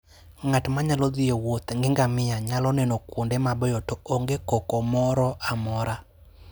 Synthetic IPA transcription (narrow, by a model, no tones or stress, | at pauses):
ŋatmaɲalɔd̪ɪewot̪ŋɡɪŋɡamɪjaɲalɔnenokwondemabɔjɔtooŋɡekɔkɔmɔɾɔʔamɔɾa